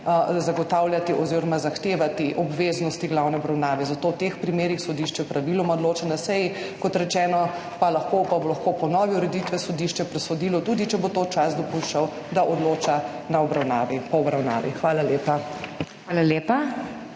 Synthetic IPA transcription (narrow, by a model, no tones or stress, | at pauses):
zaɡɔt̪awljat̪iʔɔziɾɔmazaxt̪eːʋat̪iʔɔbʋeːznɔst̪iɡlawnɛɔbɾawnaːʋɛzat̪owt̪expɾimeːɾixsɔd̪iʃt͡ʃɛpɾaʋilɔmaod̪loːt͡ʃanasɛjikɔt̪ɾɛt͡ʃɛːnɔ | palaxkopabolɐxkopɔnɔːʋiuɾɛd̪it̪ʋɛsɔd̪iʃt͡ʃɛpɾɛsɔd̪iːlɔt̪uːd̪it͡ʃɛbot̪ot͡ʃasd̪ɔpuʃt͡ʃaw | d̪aʔɔd̪loːt͡ʃa | naɔbɾawnaːʋipɔɔbɾawna̰ːʋḭxʋaːlaleːpaxʋaːlaleːpa